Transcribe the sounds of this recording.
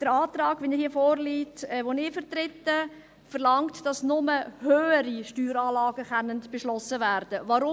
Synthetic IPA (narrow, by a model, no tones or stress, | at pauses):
d̥əɾɑːtrɑːɡ̥ʋɛnɛhiːəfoːɾliːtɛʋonɪfəɾtɾɪtːə | fəɾlɑŋtd̥ɑsnʊməhøːəɾiʃtyːɾɑːlɑːɡəχɛnəntb̥eʃlɔsəvæɾd̥əvɑɾʊ